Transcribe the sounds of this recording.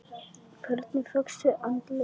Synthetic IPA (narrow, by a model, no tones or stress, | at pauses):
kʰœɾt̪nɪfœksʏʔant̪lɪ